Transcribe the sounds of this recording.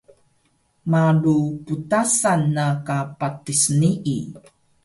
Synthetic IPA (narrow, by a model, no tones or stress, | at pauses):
maɾuputasanːakapatisniʔi